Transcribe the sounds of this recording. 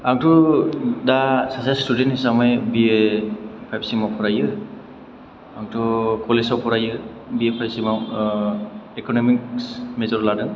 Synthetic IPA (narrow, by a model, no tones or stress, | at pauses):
aŋtʰɔdasasastudentisamajbiepʰajbsimapʰɔɾajɯ | aŋtʰɔkɔlesɔwpʰɔɾajɯ | biepʰajbsimaw | ekɔnɔmik̚smezɔɾladɯn